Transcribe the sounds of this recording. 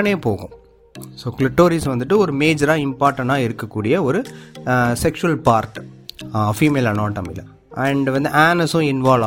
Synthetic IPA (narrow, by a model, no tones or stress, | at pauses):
ɐneːpoːɣʊ̰̃ | soːklɪʈːoːɾisʋɐnd̪ɯʈːɯɔɾɯmeːd͡ʒɐɾaːɪmpaːɾʈːɐ̃ɳʈaːɪɾɯkːɐkːuːɽɪjɐɔɾɯ | sɛkʂʊʋɐlpaːɾʈ | fiːmeːlɐnoːʈːɐmɪlɐ | ɐɳɖʋɐnd̪ɯaːnɐsʊ̃ɪnʋaːlaː